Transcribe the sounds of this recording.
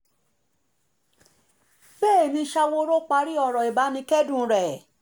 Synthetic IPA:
bɛː˦˨nĩ˧ʃa˧wo˦ɾo˦k͡pa˧ɾi˦ɔ˦˨ɾɔ˨i˨ba˨˦nĩ˧kɛ˦dũ˦˨˧ɾɛ˨

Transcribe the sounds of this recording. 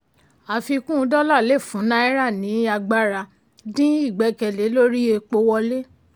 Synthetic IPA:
a˨fi˧kũ˦˧˦dɔ˦la˦˨le˦˨fũ˨˦nã˦i˦ɾa˦˨nĩ˨˦a˧ɡ͡ba˦ɾa˧ | dĩ˦i˦˨ɡ͡bɛ˨˧kɛ˧˨le˨˦lo˦ɾi˦e˧k͡po˧˦wɔ˧le˦

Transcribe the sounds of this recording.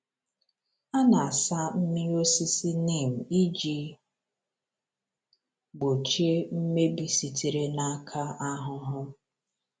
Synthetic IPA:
a˦na˨a˨sa˦m̩˦mi˦o˦si˦si˦ni˦˨m̩˨i˦d͡ʒi˦ | ɡ͡bo˨t͡ʃe˦m̩˦me˦bi˨si˨ti˨ɾe˦na˦kʰa˦a˦ɦʊ˦ɦʊ˦

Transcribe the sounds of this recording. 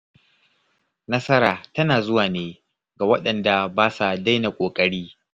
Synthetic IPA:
nɐ˦sɐ˦ɾaː˨tɐ˦naː˨zʊ˦waː˨neː˦ | ɡa˨wɐ˦ɗɐ˨nda˨baː˦sa˨da˦jna˨kʷʼoː˨kʼɐ˦ɽiː˦

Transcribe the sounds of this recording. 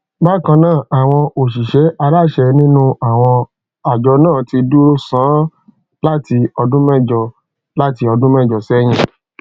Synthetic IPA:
ba˦kã˧nãː˦˨a˨w̃ɔ̃˧ʔo˨ʃi˨ʃɛ˨˦ʔa˧ɾa˦˨ʃɛ˧˨nĩ˦nũ˦a˨w̃ɔ̃˧ | a˨d͡ʒɔ˨˧nãː˦˨ti˧du˦ɾo˦sãː˨˦ | la˦ti˧ɔ˧dũ˦mɛ˦˨d͡ʒɔ˧ | la˦ti˧ɔ˧dũ˦mɛ˦˨d͡ʒɔ˨sɛ˦j̃ĩ˧˦

